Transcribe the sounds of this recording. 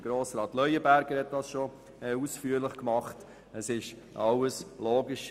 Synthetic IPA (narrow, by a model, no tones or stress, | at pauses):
ɡ̥ɾoːsɾɑːtlœʏəbæɾɡəɾhɛt̚d̥ɑsʃo | ɛusfyːəɾlɪχkmɑχt | əsɪʃ | ʔɑwəsloːɡiʃ